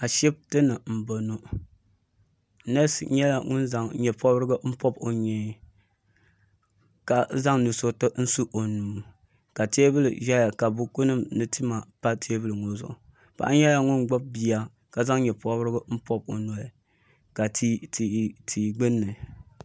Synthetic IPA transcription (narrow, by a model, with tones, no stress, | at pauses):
a˨ʃɛ˦b̚tɨ˦nɨ˨m̩˨bo˨nu˨ | nɛ˦sɲɛ˦la˨ŋʊ˦nza˨ŋɲɛ˨pʰɔ˦bɾɨ˦ɡɨ˦m̩˦pɔ˦bo˨ɲɛ˨˦ | ka˨za˦ŋnu˨so˦tɨ˦n̩˦su˦ʔo˨nuː˨ | ka˨te˦bɨ˦lɨ̰˨ʒa˦ja˨ka˨bu˦ku˦nɨ˦mnɨ˦tʰi˦ma˨pa˦tʰe˦bɨ˦lɨ˨ŋo˦zʊ̰˨ʔʊ˨ | pa̰˨ʔa˦ɲɛ˦la˦ŋʊ˦nɡ͡bɔ˦b̚bi˦a˦ | ka˨za˦ŋ˦ɲɛ˨pɔ˦bɾɨ˦ɡɨ˦m̩˦pɔ˦b̚o˨no˨ | ka˨ti˦ti˨tʰiː˨ɡ͡bɨ˦nːɨ˨